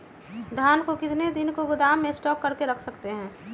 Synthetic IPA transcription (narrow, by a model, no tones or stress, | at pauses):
d̪ʱjaːnkokɪt̪ned̪ɪnkoɡʊd̪aːmːẽsʈɔːkːəɾkeɾəkʰsəkt̪eɦɛ̃ː